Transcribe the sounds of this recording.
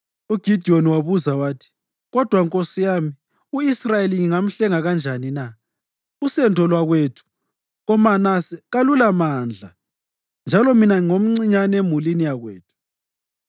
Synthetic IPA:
uɡ̥ʱid̥ʱioniwaβuzawaːtʰi̥ | ɣɔd̥ʱwaŋkʼosijaːmi | uisrajeliŋiŋam̩ɬɛŋaɣand͡ʒʱanina | ɣusɛntʰɔlwaɣwetʰu̥ | ɣɔmanasɛɣalulamaːnd͡ɮʱa | nd͡ʒʱalɔminaŋom̩ŋ͡ǀiɲanemulinijaɣwḛːtʰu̥

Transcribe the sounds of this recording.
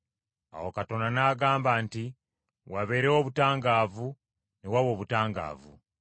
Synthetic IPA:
a̰wokato̞nanaːɡaːmbaːnti | waβe̞ːɾewo̞βutaːŋɡaːvu | newawo̞ːβutaːŋɡa̰ːvṵ

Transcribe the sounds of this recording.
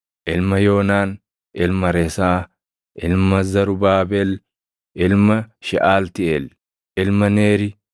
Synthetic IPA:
ʔɪlmɐjo̞ːnaːn | ʔɪlmɐɾɛsaː | ʔɪlmɐzɐɾʊbaːbɛl | ʔɪlmɐʃɪʔaːlt̪ɪʔɛl | ʔɪlmɐneːɾɪ

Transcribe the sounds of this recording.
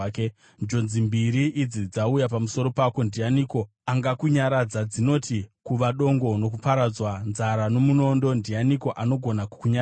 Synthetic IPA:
ke | d͡ʒo̞nzimbiɾiʔːd͡zid͡zaujapamuso̞ɾo̞pako̞ndijaniko̞ | aŋɡakuɲaɾad͡zad͡zino̞tikuʋaɗo̞ŋɡo̞no̞k̬upaɾad͡zwanzaɾano̞muno̞ndo̞ndijaniko̞ʔano̞ɡʱo̞naku̥kuɲa

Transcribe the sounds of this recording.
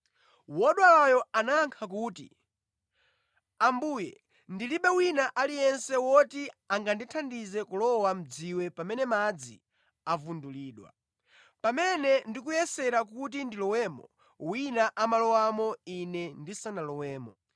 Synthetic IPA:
wɔɗwalajɔanaŋkʰak̬uːtḭ | ambujɛ | ndiliɓɛwinaʔalijɛnsɛwɔtiaŋɡanditʰandizɛkulɔwam̩d͡ziwɛpamɛnɛmad͡zḭ | avunduliːɗwa̰ | pamɛnɛndikujɛsɛɾakut̬indilɔwɛːmɔ̰ | winaʔamalɔwamɔinɛndisanalɔwɛːmɔ

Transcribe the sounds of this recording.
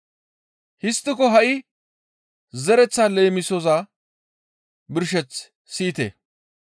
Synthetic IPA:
hɪst̪ːɪkɔɦɐʔɪ | zɛɾɛt͡sːaːleːmɪsɔza | bɪɾʃ̬ɛt͡s | siːt̪ḛː

